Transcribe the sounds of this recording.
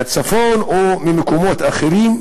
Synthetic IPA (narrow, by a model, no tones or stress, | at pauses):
at͡safonʔomimekomo̞t̪aχeɾim